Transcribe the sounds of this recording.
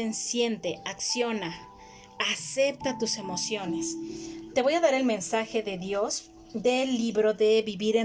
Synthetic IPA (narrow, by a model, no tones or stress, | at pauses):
ensje̞nt̪e̞aksjo̞naː | se̞p̚t̪at̪use̞mo̞sjo̞nest̪e̞βo̞jaðaɾe̞lmẽ̞nsaxe̞ðe̞ðjo̞z | ðe̞lːiβɾo̞ðe̞βiβiɾe